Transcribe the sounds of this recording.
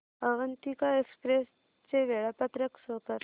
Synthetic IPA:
əʋənt̪ikaekspɾes | t͡seʋeɭapat̪ɾəksokəɾ

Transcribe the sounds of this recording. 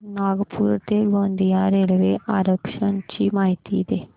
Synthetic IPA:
naːɡpʰuːɾt̪eːlõːnd̪ijaːɾeːlʋeːʔaːɾəpʃənt͡ʃiːmaːɪt̪ḭːd̪eː

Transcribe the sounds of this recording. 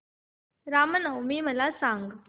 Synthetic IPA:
ɾaːmənəwmiːməlasãŋɡ

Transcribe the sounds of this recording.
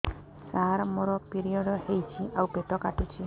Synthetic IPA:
saaɾmoɾɔpiɾiɔɽhejt͡ʃʰiʔawpeʈɔkaʈit͡ʃʰi

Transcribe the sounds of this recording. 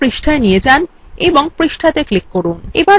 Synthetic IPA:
pɾiʃʈʰaenijed͡ʑan | eboŋpɾiʃʈʰat̪eklikːoɾunḛba

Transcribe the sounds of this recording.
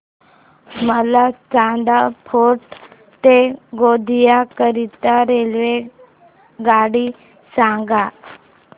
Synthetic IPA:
məlat͡sad̪apʰoʈ | t̪eɡod̪ʱijakəɾit̪aɾelʋe | ɡaɽi | sãŋɡa

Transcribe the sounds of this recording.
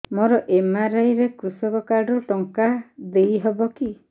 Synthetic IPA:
mɔɾɔʔemaɾajɾekɾusɔkɔkaɾɖɔʈɔŋkad̪ejɦɔbɔki

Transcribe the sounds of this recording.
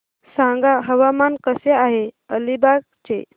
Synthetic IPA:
sãŋɡaɦəʋamankəseaɦeəlibak̚ | t͡ɕe

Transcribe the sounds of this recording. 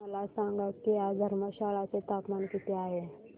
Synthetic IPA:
məlasãŋɡakijaɡ̪ʱəɾməɕaɭat͡set̪apmankit̪eaɦe

